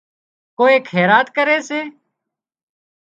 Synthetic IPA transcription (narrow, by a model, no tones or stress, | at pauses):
koːeːkʰeːɾaːt̪kəɾeːseː